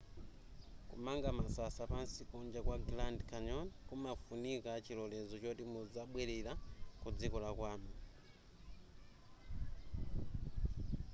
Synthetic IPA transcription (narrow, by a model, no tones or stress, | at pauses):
kṵmaŋɡamasasapansikund͡ʒakwaɡlandkʰaɲɔnkumafunikat͡ʃilɔlɛzɔt͡ʃɔtimud͡zaɓwɛlɛɾakud͡zikɔlakwaːmu